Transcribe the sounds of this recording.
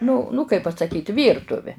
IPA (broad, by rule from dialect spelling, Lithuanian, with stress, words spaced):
nʊ nʊ kɐɪp pɐsɐˈkʲiːt ˈʋʲiːrtʊʋʲɛ